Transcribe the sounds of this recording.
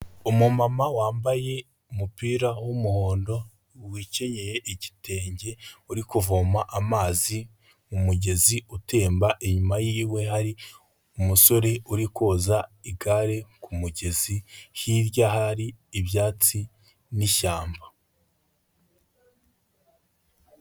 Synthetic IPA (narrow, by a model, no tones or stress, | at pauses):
omumamawaːmbaje̞ | umupiːɾawomuho̞ːndo̞ | wiːce̞ɲe̞je̞ʔːɟi̥te̞ːɲɟe̞uɾikuvomaʔamaːzi | umuɟe̞ziute̞ːmbaʔeɲumajiːwe̞ɦaɾi | umuso̞ɾe̞uɾiko̞ːzaiɡaɾe̞kumuɟe̞zihiɾjaɦaɾiːβjaːt͡si | niʃaːmba